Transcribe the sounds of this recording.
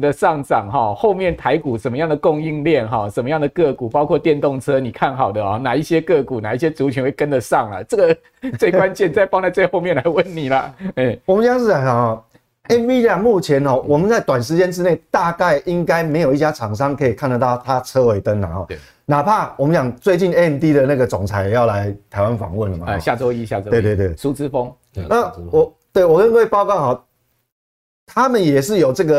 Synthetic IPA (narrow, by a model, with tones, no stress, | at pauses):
d̪ə˨ʂɑ˥˩ŋʈ͡ʂɑ˨˩ŋɦɔ˨˩xo˥˧ʊmjɛ˥˩nt̪ʰa˧˥ɪku˨˩ʂə˨˩nmə˦jɑ˥˩ŋd̪ə˩kʊ˥˧ŋi˥˧ŋljɛ˥˨nɦɔ˥˩ʂə˨˩nmə˦jɑ˥˩ŋd̪ə˩kɤ˥˩ku˨˩pɑ˥ʊkʰwɔ˥˧t̪jɛ˥˧nt̪ɔ˥˩ŋt͡sʰɤ˥ni˨˩kʰa˥˩nxɑ˨˩ʊd̪ə˦xɔ˥˩na˨˩i˥˩ɕjɛ˥kɤ˥˩ku˨˩na˨˩i˥˩ɕjɛ˥t͡su˨˥t͡ɕʰy˧˦nwe˥˩kə˥˦nd̪ə˨ʂɑ˥˩ŋlə̰˩t͡sɤ˥˩ɡə˩ | t͡swe˥˩kwa˦nt͡ɕjɛ˥˧nt͡sa˥˧ɪpɑ˥ŋt̪a˥˧ɪt͡se˥˧xo˥˧ʊmjɛ˥˨nla˧˥ɪwə˥˩nːi˨˩lə˩˥˩wɔ˨mə˦n˥˦jɑ˥˧ŋʂ̬̩˥˧˩a˧˥a˨˩hɔ˨˩ | ɛ˥npi˦˥a˨mu˥˩t͡ɕʰjɛ˧˦nxɔ˥˧wɔ˨˩mə˨nt͡sa˥˩ɪt̪wa˨˩nʂ̬ɻ̩˧˦t͡ɕjɛ˥nʈ͡ʂɻ̩˥˦ne˥˩ɪt̪a˥˧ka˥˩ɪʔi˦ŋka˥ɪme˧˥ɪjo˨˩ʊi˥˩t͡ɕja˥t͡sʰɑ˨˩ŋʂ̬ɑ˦˥ŋkʰɤ˧˦˥i˨˩kʰa˥˨nd̪ə˨˩t̪ɑ˥˩ʊt̪ʰa˦t͡sʰɤ˥˧we˧˥ɪt̪ə˦nna̰˨˩xɔ̰˨˩˧ | na˨˩pʰa˥˩wɔ˨mə˦nɕjɑ˨˩ŋt͡swe˥˧ɪt͡ɕi˥˨ne˥˧˨nt̪i˦d̪ə˨na˥˩ɡə˨˩t͡sɔ˨˩ŋt͡sʰa˧˥ɪjɛ˨˩jɑ˥˩ʊla˧˦ɪt̪ʰa˧˥ɪwa˦nfɑ̰˨˩ŋwə˥˨˩nlə˨˩ma̰˨ɕja˥˨t͡swɔ˥˦i˦ɕja˧˨we˥˧t̪we˥˧we˥˩su˥t͡sɹ̩˦fɔ˦ŋ | na˥˨wɔ˨˦t̪we˥˩ɪwɔ˨˩lə˥˧˥we˥˧ɪpɑ˥˧ʊkɑ˥˩ʊxɔ˨˩ | t̪ʰa˦mə˨njɛ˨˩ʂɻ̩˥˩jo˨˩ʊʈ͡ʂɤ˥˩ɡə˨